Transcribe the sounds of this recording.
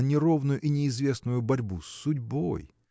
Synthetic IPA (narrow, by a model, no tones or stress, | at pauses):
nʲɪɾo̞vnʊjʊʔinʲɪɪzvʲe̞snʊjʊbɐɾʲbusːʊdʲbo̰j